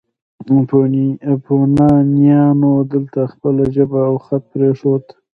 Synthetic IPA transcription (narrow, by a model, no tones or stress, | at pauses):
ponipʰonɑnjɑnod̪əlt̪axpəlaʒəbaːwxat̪̚pɾeʂot̪